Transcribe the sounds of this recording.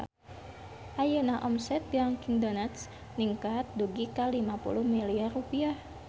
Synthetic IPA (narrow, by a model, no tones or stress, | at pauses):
ʔajənaʔɔmsɛt̪̚ɡaŋkiŋdonat̪s | niŋkat̪̚duɡikalimapṵluhmiliarːupiah